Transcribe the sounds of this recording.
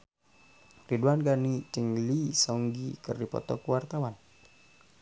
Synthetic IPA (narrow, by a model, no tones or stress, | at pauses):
riduanɡanit͡ʃəŋlisɔŋɡikərdipɔ̰t̪ɔ̰kuwart̪awan